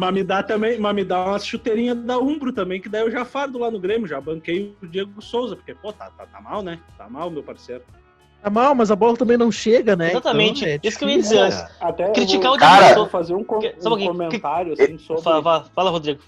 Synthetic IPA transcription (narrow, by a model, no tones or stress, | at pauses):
mɐmɪd̪at̪ɐ̃mbẽj̃mɐmɪd̪ãmɐʃut̪eɾĩɲɐd̪ɐũbɾʊt̪ɐ̃mbẽj̃kɪd̪aiewʒafaɾʊd̪ʊlanʊɡɾẽmjʊʒabɐ̃kejʊd͡ʒieɡʊsowzɐpoɾkepot̪a̰t̪at̪amawnɛt̪a̰mawmewpaɾseɾʊ | t̪amawmɐzɐbɔlɐt̪ɐ̃mbẽj̃nɐ̃w̃ʃeɡɐnɛzat̪ɐmẽnt͡ʃɪissʊkewiɐd͡ʒizeɾsat̪ɛkɾivt͡ʃikaʊkd͡ʒiaeɡɡɐsofazeɾũkõsaboɡẽkõmẽnt̪aɾjʊasĩsobfaɪlvafalɐhod̪ɾiɡʊ